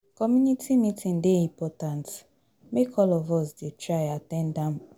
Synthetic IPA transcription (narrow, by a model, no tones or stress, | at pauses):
kɔmjunitʰimitʰĩn̩deĩmpɔtant | mekʰɔlɔvɔsdetɾajatɛ̃ndãm